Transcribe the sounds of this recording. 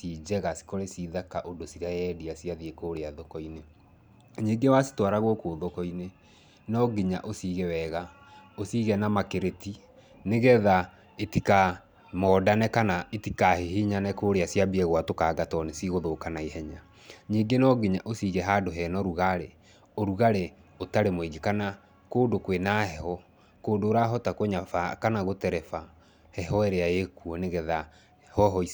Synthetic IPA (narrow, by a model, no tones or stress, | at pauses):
sid͡ʑɛɣasi̥koɾesiðakaʔodosiɾajɛdiasiaðiekoːɾeaðɔkɔine | ɲiɡewasi̥twaɾaɣwokoːðɔkɔine | nɔɡiɲa̰ʔosiɣɛwɛɣa | osiɣɛnamakeɾeti | neɣɛða | etika | mɔːdanɛkanaetikahehiɲanɛkoɾeasjabiɛɣwatokaːɡatɔnesiɣoðoːkanaihɛɲa | ɲiːɡenɔɡeɲaʔosiɣɛɦadoɦɛnɔɾuɣaɾe | oɾuɣaɾe | otaɾemoeɡekana | koːdokwenahɛhɔ | koːndoːɾaɦɔtakoɲafakanaɣotɛɾɛfa | hɛɦɔɛɾeajekuɔneɣɛða | hɔɦɔis